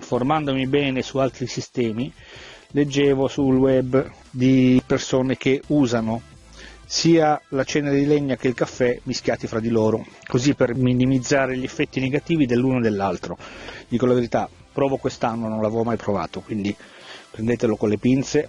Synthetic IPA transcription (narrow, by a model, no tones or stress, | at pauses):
formand̪omibɛːnesualt̪ɾisist̪ɛːmi | led͡ʒːɛːvosulwɛbː | d̪ipersoːnek̟euːzano | siːalat͡ʃɛːneɾed̪ileɲːak̟eilkafːɛmiskjaːt̪ifɾad̪ːiloːɾokozipːerminimid̪zːaːɾeʎiefːɛt̪ːineɡat̪iːvid̪elːuːnod̪elːalt̪ɾod̪iːkolaveɾit̪a | pːɾɔːvokwest̪anːononlavevomajpɾova̰ːt̪okwind̪ipɾend̪eːt̪elokonlːepint̪se